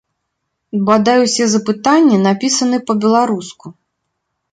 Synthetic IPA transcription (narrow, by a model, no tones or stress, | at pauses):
bad̪ajuwsʲɛzɐpɨt̪anʲːɛnapʲisɐnɨpɐbʲɛlˠaɾusku